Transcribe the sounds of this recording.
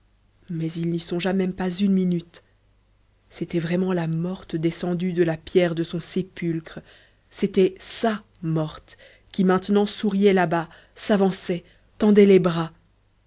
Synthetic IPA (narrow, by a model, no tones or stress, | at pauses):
mɛzilnisɔ̃ʒamɛmpazynminyt̪ | set̪ɛvʁɛmɑ̃lamɔʁt̪d̪esɑ̃d̪yd̪əlapjɛʁd̪əsɔ̃sepylkχə | set̪ɛsa | mɔʁt̪ | kʲimɛ̃t̪nɑ̃suʁjɛlaba | savɑ̃sɛ | t̪ɑ̃d̪ɛlɛbʁa